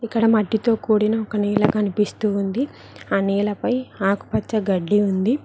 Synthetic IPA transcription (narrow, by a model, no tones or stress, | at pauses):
ikːɐɽɐmɐɖːit̪o̞ːkuːɽinɐɔkɐniːlɐkɐnipist̪uːnd̪i | aːniːlɐpɐjaːku̥pɐt͡ʃːɐɡɐɖːiund̪i